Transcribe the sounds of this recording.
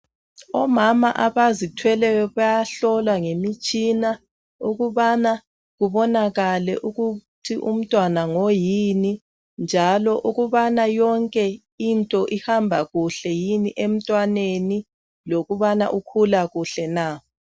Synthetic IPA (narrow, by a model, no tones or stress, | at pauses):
ɔmamaʔaβazitʰwɛlɛβajaɬɔlwaŋemit͡ʃʼina | uɣuβana | ɣuβɔnaɣalɛ̰ʔuɣutʰiʔṵm̩tʼwanaŋojini | nd͡ʒʱalɔʔuɣuβanajɔŋkʼɛ | intʼɔʔihambʱaɣuɬɛjiniʔem̩tʼwaneni | loɣuβana̰ʔukʰulaɣuɬɛna